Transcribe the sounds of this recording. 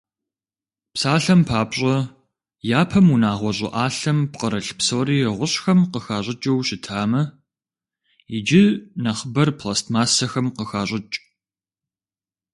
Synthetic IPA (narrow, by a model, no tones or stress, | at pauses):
psaːɬɐmpʰaːpɕʼɐ | jaːpʰɐmunaːʁʷɔɕʼɪ̰ʔaːɬɐmpqəɾɐɬpsoːɾiːɪʁʷʊɕxɐmqəxaːɕʼɪt͡ʃʼɐwɕɪtʰaːmɐ | ɪd͡ʒɪnɐχbɐrpʰlaːstmaːsɐxɐmqəxaːɕʼɪt͡ʃʼ